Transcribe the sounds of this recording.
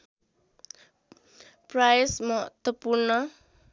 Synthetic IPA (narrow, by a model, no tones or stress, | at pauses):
prajsmʌɦʌ̰t̪wʌpurnʌ